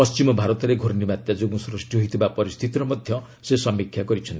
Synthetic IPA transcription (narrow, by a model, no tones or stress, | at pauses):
pɔst͡ʃimɔbʱaɾɔt̪ɔɾeɡʱoɾnimat̪jad͡ʒoɡũsɾusʈjoɦit̪ʰibapɔɾist̪ʰit̪iɾɔmʌd̪ʱjʌ | sesʌmikʰjaɡɔɾit͡ʃʰʌnt̪i